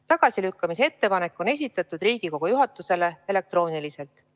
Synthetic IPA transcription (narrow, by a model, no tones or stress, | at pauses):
t̪ɑɡ̥ɑsilykːɑmisee̞t̪ːe̞pɑne̞kːˑo̞ne̞s̬ʲit̪ːˑɑt̪ːˑud̪̥riːɡ̥iko̞ɡ̥ojuɦɑt̪ːˑuse̞le̞e̞le̞k̚t̪ro̞ːnilise̞lt̪ˑ